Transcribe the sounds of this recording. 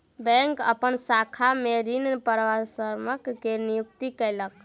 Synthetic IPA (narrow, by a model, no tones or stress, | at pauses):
bɛ̃ŋkə̰pənsakʰameɾinpəɾʋasəɾməkːenijukt̪ikəɪlək